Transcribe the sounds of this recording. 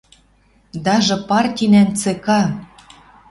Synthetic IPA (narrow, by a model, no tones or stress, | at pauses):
d̪ɑʒɤ̆pɑrtʲinænt͡sekɑ